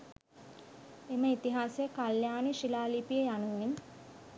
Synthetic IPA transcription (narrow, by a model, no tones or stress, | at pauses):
eməit̪iɦaːsjəkaljaːnəʃilaːlipijəjanuin